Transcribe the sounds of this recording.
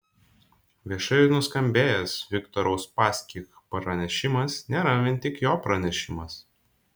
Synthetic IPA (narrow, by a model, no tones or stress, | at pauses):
ʋʲiɛʃɐnʊskɐmʲbʲeːjɛsʋʲɪkt̪ɔɾɐʊspɑːsʲkʲikpɾɐnʲɛʃʲɪmɐsnʲeːɾɐʋʲɪnʲt̪ʲɪkjoːpɾɐnʲɛʃʲɪmɐs